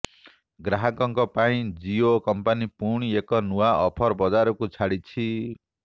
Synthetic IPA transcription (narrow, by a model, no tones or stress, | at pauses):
ɡɾaɦɔkɔŋkɔpaĩd͡ʒiokɔmpanipuɽ̃iekɔnuaʔɔpʰɔɾbɔd͡ʒaɾɔkut͡ʃʰaɽit͡ʃʰi